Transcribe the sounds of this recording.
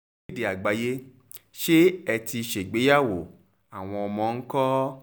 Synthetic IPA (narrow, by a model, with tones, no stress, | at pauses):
de˨a˨ɡ͡ba˨je˦ | ʃe˦ɛ˧ti˧ʃe˨ɡ͡be˨˦ja˦˨wo˨ | a˨w̃ɔ̃˧ɔ˧mɔ̃˧ŋ̩˦kɔ˦